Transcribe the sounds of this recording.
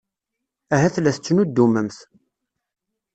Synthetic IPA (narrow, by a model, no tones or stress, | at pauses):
æɦæθlæθət͡sːənud̪ːuməmθ